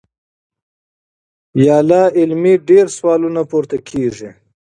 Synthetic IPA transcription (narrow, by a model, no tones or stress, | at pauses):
jɑːlɑɪlmiɖeɾswɑːlunapoɾt̪akʰeʐi